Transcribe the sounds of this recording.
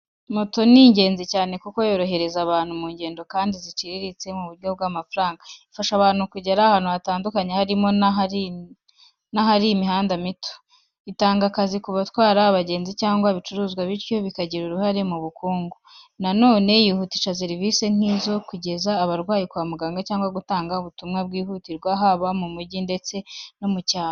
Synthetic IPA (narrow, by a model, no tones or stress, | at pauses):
moto̞niːɲɟe̞ːnzicaːne̞kuko̞jo̞ːɾo̞ɦe̞ɾe̞zaβaːnhumuːɲɟe̞ːndo̞kaːndizit͡ʃiɾiɾit͡se̞muβuɾɡo̞b̚ɡaːmafuɾaːŋɡaifaʃaβaːn̥hukuɟeɾahanuataːndukaɲe̞haɾimo̞nai | naɦaɾiimihaːndamito̥ | itaːŋɡakazikuβatwaːɾaːβaɟe̞ːnzicaːŋɡwaβit͡ʃuɾuːzɡwaβiɾjo̞βikaɟiɾuɾuhaɾe̞muβukuːŋɡu | nano̞ːne̞jihutiʃas̬e̞ɾivise̞ŋ̥iːzo̞kuɟe̞zaːβaɾɡwaːjikwaːmuɡaːŋɡacaːŋɡwaɡutaːŋɡauβutumŋabɡiːhutiɾɡwaɦaβamumuɾɟinde̞t͡se̞no̞mucaːa